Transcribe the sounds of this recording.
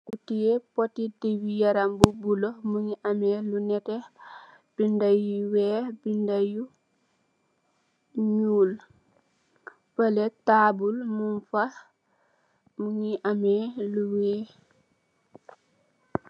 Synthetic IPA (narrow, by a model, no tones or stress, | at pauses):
kutijepotidiwijaɾambubulɔhmuɲiʔamɛlunɛtɛ | b̥indajuwɛːbindaju | ɲuːl | pəlɛtaːbulmunfah | muɲiʔamɛluwɛː